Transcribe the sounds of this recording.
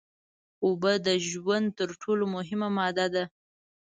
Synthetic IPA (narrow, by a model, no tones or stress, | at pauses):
obəd̪əʒwand̪̚t̪əɾʈʰolomʊɦɪmamɑd̪ad̪a